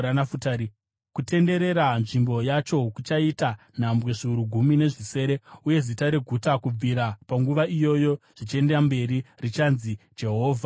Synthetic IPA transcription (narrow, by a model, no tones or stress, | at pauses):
anafutaːɾi | kute̞nde̞ɾe̞ɾanʐimbo̞jat͡ʃo̞kut͡ʃaita | n̤ambwe̞ʐiuɾuɡʱumine̞ʐise̞ːɾe̞uje̞zitaɾe̞ɡʱutakub͡viɾapaŋɡuʋaʔijo̞jo̞ʐ̥it͡ʃie̞ndeambe̞ɾirit͡ʃanzid͡ʒe̞ɦoːvʱa